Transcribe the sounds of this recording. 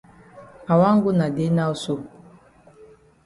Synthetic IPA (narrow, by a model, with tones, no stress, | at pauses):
a˨wa˦ŋ̩˦ɡu˦na˨de˦na˦u˦so˦